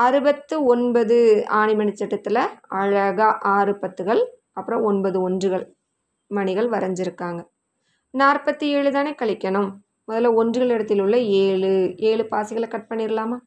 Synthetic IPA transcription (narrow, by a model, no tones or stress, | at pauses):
ɐɾɯbɐt̪ːɯɔnbɐðɯaːɳimɐɳit͡ʃːɛʈːɐt̪ːɪlɐɐɻɐɣɐʔaːɾɯpɐt̪ːɯɣɐɭ | ɐpːɯɾɐ̃ɔnbɐðɯɔndrɯɣɐɭ | mɐɳɪɣɐɭʋɐɾɐɲd͡ʒɪɾɯkːaːŋɡɐ | naːrpɐt̪ːɯeːɻɯt̪aːneːkɐɭɪkʲːɐɳɯmː | ɔðɐlɐɔndrɯɣɐɭɛɽɐt̪̬ːɪlʊɭːɐeːɭɯeːɭɯpaːsɪɣɐɭkɐʈ̚pɐɳːiɾɪlaːmaː